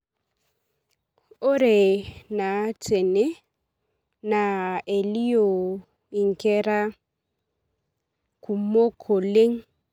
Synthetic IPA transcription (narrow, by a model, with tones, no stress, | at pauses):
ʊ˦ɾɪ˨na˨t͡sʰʼe˨ne˦ | na˨e˨li˦jo˨ | i˨ŋ̩˨kɛ˦ɾa˦ | kʰʼu˨m˦mo˦kʰo˨le˦ŋ̩˦